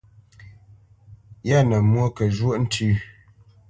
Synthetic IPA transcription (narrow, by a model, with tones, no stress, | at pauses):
ja˦˨nə˨mwo˦kə˨ʒwo˦ʔn̩˦tʰʉ˦˨